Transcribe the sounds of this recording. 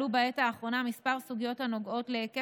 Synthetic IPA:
ubaetaːχʁo̞namispaʁsuɡijo̞thano̞ɡo̞tleke

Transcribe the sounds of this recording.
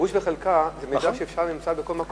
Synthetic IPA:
uʃveχelkazemejd̪aʃeefʃaʁnimt͡sabeko̞lmak

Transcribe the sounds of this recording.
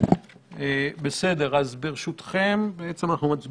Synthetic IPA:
ebe̞se̞d̪e̞ʁazbeʁeʃut̪χembeet͡semanaχnumat͡s

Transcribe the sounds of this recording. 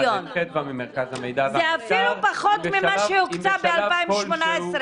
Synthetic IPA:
onet̪̚vamimeʁkazhamejd̪azeafilupaχot̪mimmaʃeuktabealpaimʃmonaesɾ

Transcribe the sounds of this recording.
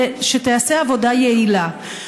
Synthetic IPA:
ʃet̪easeavo̞dajeila

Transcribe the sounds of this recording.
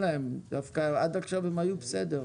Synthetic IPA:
laemd̪afkaad̪aχʃavemajubsed̪e

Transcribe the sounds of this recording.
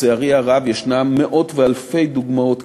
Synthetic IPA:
eaʁiaʁavjeʃnamːeʔo̞t̪vealfe̞jd̪uɡmao̞t̪

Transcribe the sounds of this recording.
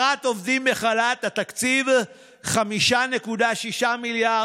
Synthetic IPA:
at̪o̞vdimbeχalat̪at̪akt͡siv | χamiʃane̞kud̪aʃiʃamilja

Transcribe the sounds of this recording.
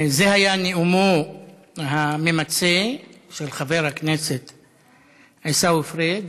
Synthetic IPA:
zehajaneumo | ɦamemat͡seʃelχaveʁhakneset̪ | ajsauefʁed̪

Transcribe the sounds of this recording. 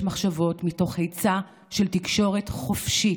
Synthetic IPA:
maχʃavo̞tmito̞χhejt͡sa | ʃeltikʃo̞ʁe̞tχo̞fʃi

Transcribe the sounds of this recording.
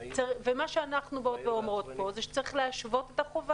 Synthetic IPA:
t͡saʁvemaʃeanaχnubeot̪beomʁo̞t̪po̞zeʃe̥t͡saʁiχleaʃvo̞tetaχova

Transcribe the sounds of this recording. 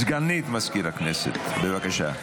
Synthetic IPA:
zɡanːit̪maskiɾaknɛsḛt̪bevakaʃa̰

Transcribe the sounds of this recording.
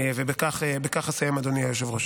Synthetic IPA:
evebekaχebekaχasajemad̪oniajoʃ̬evʁoʃ

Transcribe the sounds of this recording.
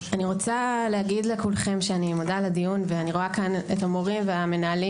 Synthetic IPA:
aniʁo̞t͡saleaɡidlekulχe̞mʃeanimodaladijunveaniʁo̞akanetamo̞ʁimveame̞naːli

